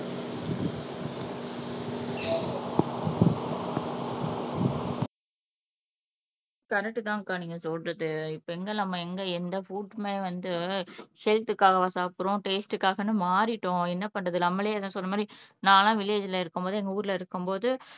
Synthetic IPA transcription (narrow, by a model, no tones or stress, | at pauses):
kɐɾɛk̚ʈːɯt̪ãːkaːniːŋɡɐsɔlɾɐðɯɪpːoɛŋɡɐnɐmːɐɛŋɡɐɛnd̪ɐfuːʈmeːʋɐnd̪ɯhɛlt̪ɯkːaːɣɐʋɐsaːpɯɾõʈeːsʈɯkːaːɣɐnːɯmaːɾɪʈːõɛnːɐpɐɳɾɐðɯlɐmːɐlɐjːðãːsɔlːɐmaːd̪ɾinaːlãːʋɪleːd͡ʒɪlɐɪɾɯkːɯmpoːðɯɛŋɡɐuːɾɪlɐɪɾɯkːɯmpoːðɯ